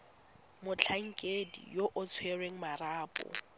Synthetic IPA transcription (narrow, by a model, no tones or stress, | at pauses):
mʊt͡ɬʰaŋ̩kʼedḭjoʔʊt͡sʰwerweŋ̩maɾaːpʼɔ̰